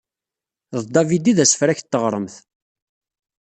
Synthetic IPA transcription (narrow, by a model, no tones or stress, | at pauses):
ðd̪ævid̪iðæsə̥fɾæçt̪ːəʁɾˤəmθ